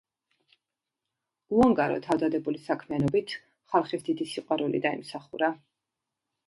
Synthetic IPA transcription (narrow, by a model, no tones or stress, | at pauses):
uaŋɡaɾɔ̰t̪ʰavd̪ad̪ɛbulisakʰmianɔbit̪ʰ | χalˠχisd̪id̪isiqʼwaɾulḭd̪aḭmsaχuɾa